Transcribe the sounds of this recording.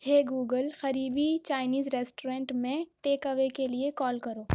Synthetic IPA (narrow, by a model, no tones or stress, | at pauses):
heːɡuːɡəlxɐɾiːbit͡ʃaːɪniːzɾeːsʈoɾẽːɳʈmẽʈeːkɐʋekeliekɔːlkɐɾoː